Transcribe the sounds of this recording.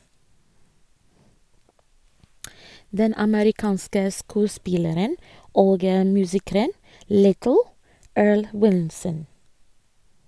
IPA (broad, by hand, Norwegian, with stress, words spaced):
ˈdɛn ɑməɾɪˈkɑːnskə ˈskʉːˌspɪləɾən ˈoːɡ ə ˈmʉːsɪkɾən ˈlɪtl̩ ˈøːɹɭ ˈwɪlsən